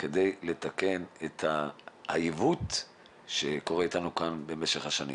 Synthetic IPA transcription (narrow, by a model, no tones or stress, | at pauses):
ke̞de̞jle̞t̪ake̞net̪haha̰jivut | ʃe̞ko̞ʁeitanukanbe̞meʃeχhaʃanḭ̃m